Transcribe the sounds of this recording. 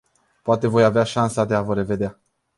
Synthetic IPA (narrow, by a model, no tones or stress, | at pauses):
poat̪e̞vo̞javeaʃansad̪e̞avəɾe̞ve̞d̪ea